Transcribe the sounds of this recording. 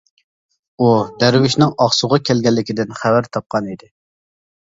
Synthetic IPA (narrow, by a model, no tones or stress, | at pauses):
ud̪æɾwɪʃnɪŋɑχsʊʁɑkʲʰɛlɡʲɛlːɪkʲid̪ɪnχævæɾt̪ʰɑp̚qʰɑnid̪ɪ